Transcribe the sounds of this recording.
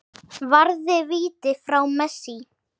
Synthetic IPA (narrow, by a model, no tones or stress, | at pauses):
vaɾðɪviːt̪ɪfɾawmɛsi